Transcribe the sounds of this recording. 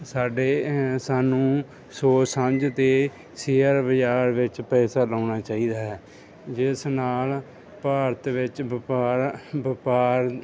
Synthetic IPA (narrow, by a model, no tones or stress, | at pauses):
saːɖeːsaːnũː | soːsəɲd͡ʒt̪eː | seːəɾʋəd͡ʒaːɾʋɪt͡ʃpɛːsaːlaːnaːt͡ʃaːiːd̪aːɦɛː | d͡ʒɪsnaːl | paːɾət̪ʋɪt͡ʃpaːɾbɪpaːɾ